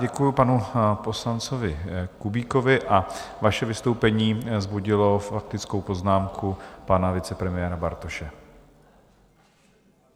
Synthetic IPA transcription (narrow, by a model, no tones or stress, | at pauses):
ɟɛkujupanupo̞slant͡sovɪkubiːko̞vɪʔavaʃɛvɪst̪owpɛɲiːzbuɟɪlo̞fak̚t̪ɪt͡skowpo̞znaːmkʰupanavɪt͡sɛpɾɛmɪjɛːɾabaɾt̪oʃɛ